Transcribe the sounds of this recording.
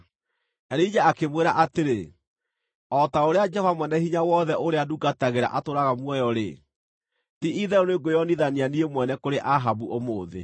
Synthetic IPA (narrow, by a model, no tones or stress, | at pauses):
ɛɾeid͡ʒaakemweɾaʔateɾe | ɔtaoɾead͡ʒɛvamwɛnɛhiɲawɔðɛʔoɾeaduɡataɣeɾa̰ʔatoɾaɣamwɔjɔɾḛ | tiiðɛoneɡojɔniðanianiemwɛnɛkoɾeʔaɦabuʔomoːðḛ